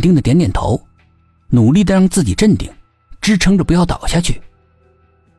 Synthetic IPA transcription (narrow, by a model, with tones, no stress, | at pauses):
t̪i˥˩ŋd̪ə˩t̪jɛ˧˥nt̪jɛ˨˩nt̪ʰo̰˧˥ʊ | nu˨˩li˥˩d̪ə˩ɻɑ˥˧ŋt͡sɹ̩˥˩t͡ɕi˨˩ʈ͡ʂə˥˩nt̪i˥˩ŋ | ʈ͡ʂɻ̩˥ʈ͡ʂʰɤ˧˥ŋʈ͡ʂə˨pu˧˥jɑ˥˩ʊt̪ɑ̰˨˩ʊɕja˥˧t͡ɕʰy˥˩